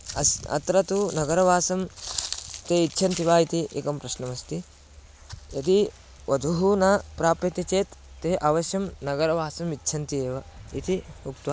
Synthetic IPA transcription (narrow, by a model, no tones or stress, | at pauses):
ɐɐ̰t̪ɾɐt̪unɐɡɐɾɐʋaːsɐm | t̪eːitːʃʰɐnt̪iʋaːit̪iʔḭkɐmpɾɐʃnɐmɐst̪i | jɐt̪i | ʋɐd̪ʱuɦunɐpɾaːpɐt̪ɐt͡ʃeːt̪ːeːʔɐʋɐʃjɐmnɐɡɐɾɐʋaːsɐmitːʃʰɐnt̪ieːʋɐit̪iukt̪ʋaː